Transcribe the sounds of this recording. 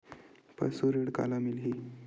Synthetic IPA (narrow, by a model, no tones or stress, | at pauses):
pə̰ɽsoɾiɽka̰lamilɦi